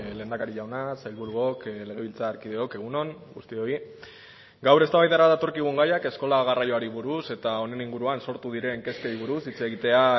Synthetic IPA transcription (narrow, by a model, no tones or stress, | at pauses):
le̞ːnd̪akaɾiʎawnasajlβuɾuokle̞ɣ̞e̞β̞ilt͡saːɾkiðe̞o̞ke̞ɣ̞uno̞ŋɡust̪io̞i | ɡawɾe̞st̪aβajðaɾaðat̪o̞ɾkiɣ̞uŋɡajake̞sko̞laɣ̞arajo̞aɾiβuɾuse̞t̪ao̞ne̞niŋɡuɾuanso̞ɾt̪uðiɾe̞ŋke̞skeɾiβuɾusit͡se̞ːɣit̪e̞a